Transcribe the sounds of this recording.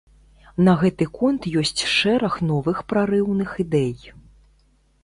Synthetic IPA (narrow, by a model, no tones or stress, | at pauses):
nɐɣɛt̪ɨkɔnt̪jɔsʲt͡sʲʂɛɾɐxn̪ɔvɨxpɾaɾɨwnɨxid̪ɛj